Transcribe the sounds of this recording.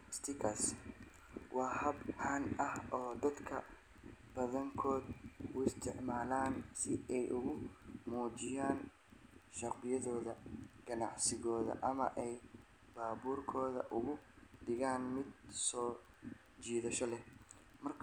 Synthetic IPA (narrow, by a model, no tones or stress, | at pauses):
st̪ʰɪkʰɐs | wʔɑːhɐbʕaːnʔɐhɔːd̪ɐd̪kʰɐ | b̥ɐðɐŋkʰɔːd̪ʊɪst̪ʰɪʕmaːlaːnsɪɛjʔʊɣʊmuːt͡ʃɪjaːn | ʃɐqqɪjɐðɔːðɐɡ̥ɐnɑ̰ʕsɪɣɔːðɐ̰ʔɐmɐ̰ʔɛj | b̥aːbuːrkʰɔːðɐ̰ʔʊɣʊd̪ɪɣaːnmɪd̪̚sɔː | t͡ʃiːðɐʃɔlɛ | mɐrkʰ